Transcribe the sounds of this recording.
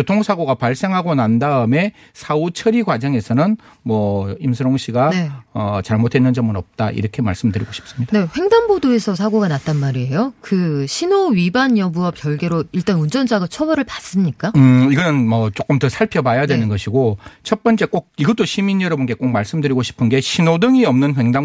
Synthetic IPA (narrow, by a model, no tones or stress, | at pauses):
jotʰoŋsʰaɡoɡapaɭs͈e̞ŋɦaɡonandaɯme̞ | sʰaut͡ɕʰʌɾiɡwad͡ʑʌŋe̞sʰʌnɯn | mwʌimsʰɯɾoŋɕʰiɡanʌt͡ɕaɭmotʰe̞nːɯnd͡ʑʌmɯnʌp̚t͈aʔḭɾʌkʰe̞maɭs͈ɯmdɯɾiɡoɕʰi̥p̚s͈ɯmɲid̥aneɸwe̞ŋdanbodoe̞sʰʌsʰaɡoɡanat͈anmaɾie̞jokɯɕʰinoɥibanjʌbuʌkjʌɭɡe̞ɾoiɭt͈ʌnund͡ʑʌnd͡ʑaɡat͡ɕʰʌwʌɾɯɭpas͈ɯmɲik͈aɯiɡʌnɯnmʌt͡ɕ͈ok͈ɯmtɯsʰaɭpʰjʌbajadwe̞nɯnɡʌɕʰiɡot͡ɕʰʌt̚p͈ʌnt͡ɕ͈ek͈ok̚iɡʌt͈oɕʰimiɲʌɾʌbonɡe̞k͈ok̚maɭs͈ɯmdɯɾiɡoɕʰi̥pʰɯnɡe̞ɕʰinodɯŋiʌmnɯnɸwe̞ŋda